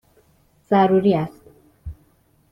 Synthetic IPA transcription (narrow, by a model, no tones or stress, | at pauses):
z̥æɾuɾiːæst̪